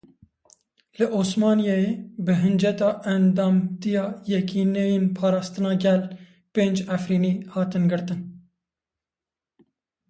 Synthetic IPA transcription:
lɨʔoːsmɑːnijɑːjeːbɨɦɨnd͡ʒɛt̪ɑːʔɛnd̪ɑːmt̪ijɑːjɛkiːnejenpʰɑːɾɑːst̪ɨnɑːɡɛl | peːnd͡ʒæfɾiːniːhɑːt̪ɨnɡɨɾt̪ɨn

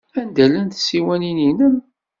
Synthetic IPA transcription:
ænd̪ælənθsiwænininən

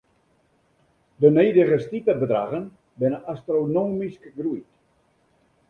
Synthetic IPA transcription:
dənejdəɣəstitərbədra̰ɣən | bɪnəastronoːmiskəɡrujt

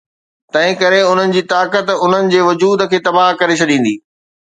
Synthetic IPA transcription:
t̪ɐ̃ɦɪ̃kɐɾeʊn̤ənɪ̆d͡ʑiːt̪aːkət̪ʊn̤ənɪ̆d͡ʑeːʋʊd͡ʑuːd̪ə̆kʰeːt̪ɐbaːɦkɐɾet͡ɕʰɐɗĩːn̆d̪iː

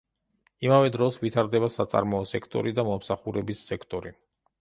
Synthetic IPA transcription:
imavɛd̪ɾɔsvit̪ʰaɾd̪ɛbasat̪sʼa̰ɾmɔːsɛkʰt̪ʼɔ̰ɾid̪amɔmsaχuɾɛbisːɛkʰt̪ʼɔɾi

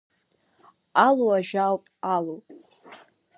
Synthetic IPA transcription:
aluaʒᶣawpʼalowpʼ

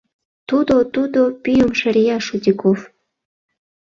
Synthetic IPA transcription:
t̪ud̪ot̪ud̪opyjomʃəɾijɑʃud̪ʲikof

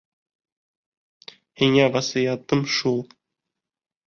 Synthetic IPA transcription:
hiŋæʁɑsĭjɑt̪ɤmʃulˠ

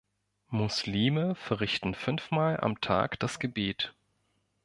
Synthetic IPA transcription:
mʊsliːməfɛɐʁɪçtn̩fʏnfmaːlʔa̰mtʰa̰ːkd̥asɡ̥əbeːt

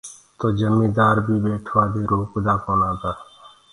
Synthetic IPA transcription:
t̪oːd͡ʒəmːĩːd̪aːɾbʱiːbeːʈʰʋaːd̪eːɾoːkd̪aːkoːnaːt̪aː

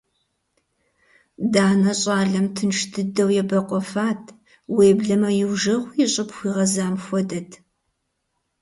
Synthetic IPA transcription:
daːnɐɕʼaːɮɐmtʰɨnʂdʰɨdɐwjɛbɐqʷʼɔfaːtʰ | weːbɮɐmɐjɪwʒɐʁʷjɪɕʼɪpxʷiːʁɐzaːmxʷɔdɐtʰ

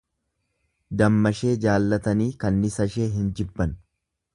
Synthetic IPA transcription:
d̪ɐmːɐʃe̞ːd͡ʒaːlːɐt̪ɐniːkɐnːɪsɐʃe̞ːɦɪnd͡ʒɪbːɐn

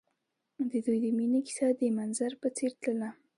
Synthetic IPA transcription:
d̪əd̪ujd̪əminiki̥sad̪əmanzaɾpət͡seɾt̪ləla

